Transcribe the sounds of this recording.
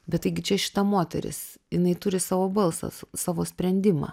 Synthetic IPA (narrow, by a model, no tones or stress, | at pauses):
bʲɛt̪t̪ɐɪɡʲɪt͡ʃʲɛʃʲɪ̥t̪ɐmoːt̪ʲɛ̰ɾʲɪ̰s | jɪnɐɪt̪ʊɾʲɪsɑːʋoːbɐlˠsɑ̰sɑːʋoːsʲpʲɾʲɛnʲd̪ʲɪmɑ̰ː